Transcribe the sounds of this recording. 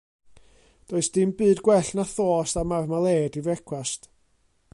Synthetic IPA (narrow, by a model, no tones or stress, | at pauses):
d̥oːɨsd̥ɪmbɨːdɡwɛɬnaθoːstamarmalˠeːdivɛkʰwast